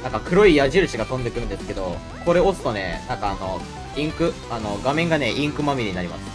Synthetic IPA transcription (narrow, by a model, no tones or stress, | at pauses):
nãŋkakɯ̟ɾo̞ijaʑiɾɯ̟ɕiɡat̪õ̞nd̪e̞kɯɾɯ̟nd̪e̞sɨ̥ke̞d̪o̞ | ko̞ɾe̞o̞t͡sɨ̥t̪o̞ne̞̰nãŋkaːno̞ | ĩŋkɯ̟ | ano̞ɡamẽ̞ŋɡaneʔĩŋkɯ̟mamʲiɾiɲ̟inaɾʲima̰sɨ̥